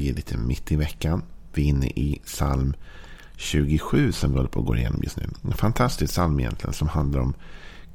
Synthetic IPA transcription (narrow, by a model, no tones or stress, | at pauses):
jɪːɭiːt̪ʰəmɪt̪ːɪvɛkːanvɪɪnːə̰ʔɪsalm | ɕʉ̟ːɡɪɧʉ̟ːsɔmɾoːd̪əpʰoːɡoːɾɪjḛːnɔmjɵ̰st̪nʉ̟ːɛnfant̪ʰast̪ɪsksalmɪjɛ̰nt̪lɪɡə̰nsɔmhand̪laɾɔ̰m